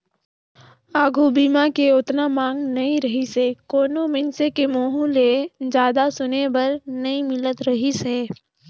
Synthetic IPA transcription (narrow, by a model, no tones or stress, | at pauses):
aːɡʱubiːmakeʊt̪namãːŋɡnɐĩɾɐɦisekoːnomɪ̃nsekemoːɦũled͡ʒjaːd̪asʊnebɐɾnɐĩmɪlət̪ɾɐɦiseː